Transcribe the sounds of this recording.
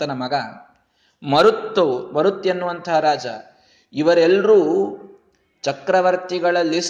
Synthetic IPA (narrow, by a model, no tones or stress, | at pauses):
ɐnɐmɐɡɐ | mɐɾut̪ːobɐɾut̪ːenːuʋɐnt̪ʰɐɦɐɾaːd͡ʒɐ̰ | iʋɐɾelɾuː | t͡ʃɐkɾɐʋɐɾt̪iɡɐɭɐlːis